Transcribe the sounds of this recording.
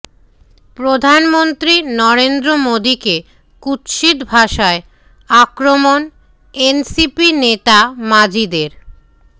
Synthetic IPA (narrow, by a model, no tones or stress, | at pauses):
pɾod̪ʱanmont̪ɾinɔɾend̪ɾomod̪ike | kut̪ʃid̪bʱaʃae | akɾomon | ensipinet̪amad͡ʑid̪eɾ